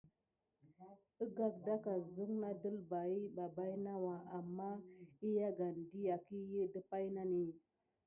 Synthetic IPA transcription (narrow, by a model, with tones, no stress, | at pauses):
ə˦ɡa˦k̚da˦ka˨zu˦ŋna˦də˦lba˨i˦ba˨ba˦jna˦wa˨a˨mːa˦i˦ja˦ɡa˨n˨di˦ja˨ki˦je˦də˦pa˦jna˦ni˦